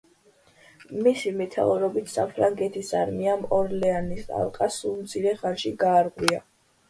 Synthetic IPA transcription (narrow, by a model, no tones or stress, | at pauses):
misimɛt̪ʰa̰uɾɔbit̪ʰsa̰pʰɾaŋɡɛt̪ʰisaɾmiamɔɾlɛanisa̰lˠqʼasulmt̪sʰiɾɛχanʃiɡaːɾʁwia